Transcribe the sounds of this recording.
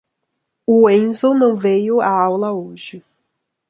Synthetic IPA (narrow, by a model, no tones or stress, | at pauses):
ʊẽnzonɐ̃w̃vejʊaawlɐoʒɪ